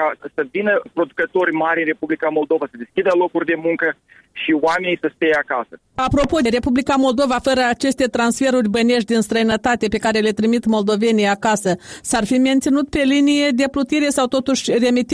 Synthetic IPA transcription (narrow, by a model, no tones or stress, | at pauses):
kasəvinəpɾo̞d̪ukət̪o̞rʲmaɾʲɨnre̞publikamo̞lˠd̪o̞vasəd̪eskʲid̪əlo̞kurʲd̪e̞muŋkə | ʃiwame̞nijsəst̪ejeakasə | apɾo̞po̞d̪eɾe̞publikamo̞ld̪o̞vafəɾəat͡ʃe̞st̪e̞t̪ɾansfe̞ɾurʲbəne̞ʃ̬̚d̪inst̪ɾəjinət̪at̪e̞pe̞kaɾe̞le̞t̪ɾimit̪mo̞ld̪o̞ve̞nijakasəsarfiment̪sinut̪̚pe̞linije̞d̪e̞plut̪iɾe̞sawt̪o̞t̪uʃʲre̞mit̪